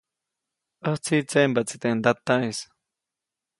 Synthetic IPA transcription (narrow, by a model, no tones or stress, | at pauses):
oht͡sit͡sembat͡si̥t̪eʔnd̪at̪ais